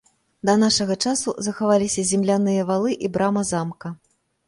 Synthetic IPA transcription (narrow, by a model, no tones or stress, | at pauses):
d̪ɐnaʂɐɣɐt͡ʂasuzɐxavalʲisʲɐzʲɛmlʲan̪ɨjɐvalˠɨʔibɾamɐzamkɐ